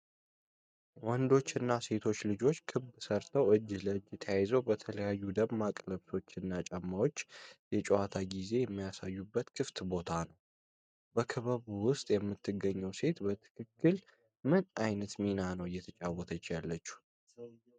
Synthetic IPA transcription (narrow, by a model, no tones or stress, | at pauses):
wɔnd̪o̞t͡ʃːɨnːase̞t̪ʰo̞t͡ʃːlɨd͡ʒo̞t͡ʃːkʰɨbsəɾt̪ʰəwʔɨd͡ʒːləɨd͡ʒɪt̪ʰəjajzəwbət̪ʰələjajːud̪əmmakʼləβso̞t͡ʃːɨnːat͡ʃʼɛmːawo̞t͡ʃːjɛt͡ʃʼowat̪ʰaɡize̞jɛmːijasajːubːət̪kʰɨft̪bo̞t̪ʰanəw | bəkʰəβəβuwʊst̪ʼjɛmːɨt̪ːɨɡːəɲːəwse̞t̪bət̪ʰɨ̥kʰɨkːɨl | mɨnajnət̪minanəwjɛt̪ʰət͡ʃʼawɔt̪ʰət͡ʃːjalːət͡ʃːu̥